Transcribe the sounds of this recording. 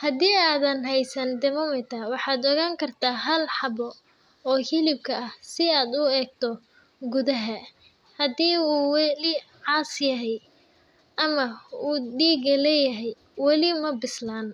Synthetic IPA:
hɐd̪iːaːðɐnɦɛjsɐnd̪ɛmɔmɪt̪ʰɐwɑħɑːd̪ɔɣaːŋkʰɐrt̪ʰaːɦɐlħɑbɔ | ɔːhɪlɪb̚kʰɐʔɐhsɪaːd̪ʊɛːɡ̚t̪ʰɔ | ɡʊðɐɦɐ | hɐd̪iːuːwɛlɪʕɑːsjɐɦɛj | ʔɐmɐuːd̪iːɡɐlɛjɐɦɛj | wɑlɪmɐbɪslaːn

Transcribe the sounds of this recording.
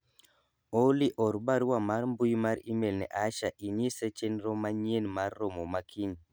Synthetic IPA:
oliʔɔɾbaɾwamaɾmbujmaɾimɛlnɛ̰ʔaʃaʔinisɛt͡ʃɛnɾɔmaɲenmaɾːɔmɔmakʰin

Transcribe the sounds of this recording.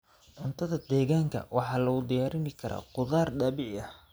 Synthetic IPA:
ʕʊnt̪ʰɐðɐd̪ɛːɣaːŋkʰɐ̰wɑħɑːlɐɣʊd̪ɪjaːɾɪnɪkʰɐɾa̰ːqʊðaːrɖɐβɪʕɐh

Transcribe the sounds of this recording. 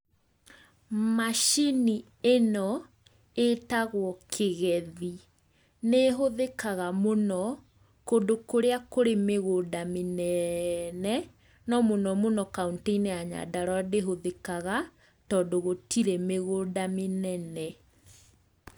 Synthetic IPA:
maʃini | enɔ | etaɣwɔkʰeɣɛði | neɦoðekaɣamonɔ | kondokoɾeakoɾemeɣodamenɛnɛ | nɔmonɔmonɔkaunteinɛaɲa̰daɾwɔdeɦoðekaɣa | tɔːndoɣotiɾɛmeɣoːdamenɛnɛ

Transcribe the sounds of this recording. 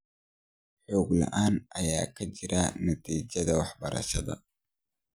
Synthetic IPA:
ħɔːɡlɐ̰ʔaːnʔɐjaːkʰɐt͡ʃɪɾʔɐnɐt̪ʰiːt͡ʃɐðɐwɑħbɐɾɐ̰ʃɐðɐ̰

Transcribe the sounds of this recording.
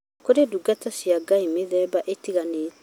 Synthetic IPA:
koɾeduɡatasjaɡaimeðɛbaʔetiɣaneːt

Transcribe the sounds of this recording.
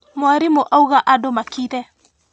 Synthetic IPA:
maɾimoʔauɣaʔadomakitɛ

